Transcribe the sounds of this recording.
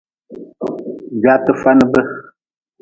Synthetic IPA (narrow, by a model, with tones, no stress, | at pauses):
d͡ʒa˨˦tə˦fa˦nə˦bə˦